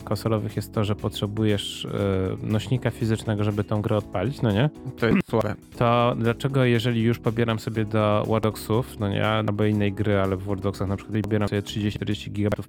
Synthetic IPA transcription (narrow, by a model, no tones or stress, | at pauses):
kɔ̃nsɔlɔvɘxjɛst̪ːɔʐɛpɔtʂɛbujɛʂ | nɔɕɲikafʲizɘt͡ʂnɛɡɔʐɛbɘt̪ɔ̃w̃ɡɾɛɔt̪̚palʲit͡ɕnɔɲɛt̪ɔjɛt̪swavɛ̰t̪ɔd̪lat͡ʂɛɡɔjɛʐɛlʲijuʂpɔbʲjɛɾamsɔbʲjɛd̪ɔwʔaɾd̪ɔksufnɔɲɛ̰a̰lbɔinːɛjɡɾɘalɛvwɔɾd̪ɔksaxnapʂɘ̥kwat̪iɔbʲjɛɾasɔbjɛtʂɘd͡ʑeɕɾd͡ʑeɕt͡ɕiɡʲiɡabat̪uf